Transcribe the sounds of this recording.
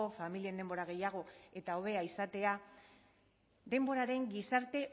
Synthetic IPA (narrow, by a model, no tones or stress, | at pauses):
ofamilie̞nd̪e̞mbo̞ɾaɣ̞e̞jaɣ̞o̞e̞t̪ao̞βe̞aisat̪e̞a | d̪e̞mbo̞ɾaɾe̞ŋɡisaɾt̪e̞